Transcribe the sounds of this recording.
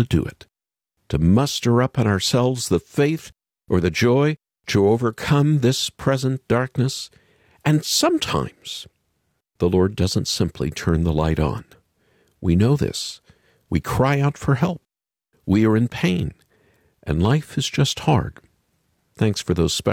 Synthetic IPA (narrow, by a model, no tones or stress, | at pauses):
ɨdɨ̰ɪ̰tʰ | ɨmʌstə˞ʌpn̩aʊə˞sɛlˠvzðəfeɪθ | ʔə˞ðɨd͡ʒɔɪ | ɾəoʊvə˞kʰʌ̃mðɪspʰɹ̥ɛzə̃nd̥ɑɹk̚nɨs | ɨ̃nsʌ̃mtʰã̰ɪ̃mz̥ | ðəlɔɹdʌzə̃ntsɪ̃mpʰlḭtʰɜ̃˞nðəla̰ɪɾn̩ | winoʊðɪ̰s | wḭkʰɹ̥aɪaʊtfə˞ɦɛlˠp̚ | wiə˞ɨ̃npʰẽɪ̃n | ʔɨ̰̃nlaɪfɨzd͡ʒʌst̚hɑ̰ɹd̥ | θæ̃ŋksfə˞ðoʊz̥spɛ